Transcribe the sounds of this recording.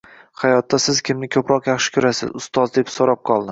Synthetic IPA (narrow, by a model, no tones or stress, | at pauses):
hajɒt̪ːasɪz̥kʲʰɪmnɪkʲʰɵpɾɒqjɑχʃɪ̥kʲʰʊɾasɪ̰zʊst̪ɒzd̪epsoɾap̚qʰɒlˠd̪ɪ